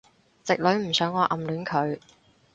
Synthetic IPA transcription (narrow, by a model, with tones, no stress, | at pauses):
t͡sɪ˨k̚lɵ˨˧ɥm̩˨˩sœː˨˥ŋɔː˨˧ʔɐ˨mlyː˨˥nkʰɵ˨˧ɥ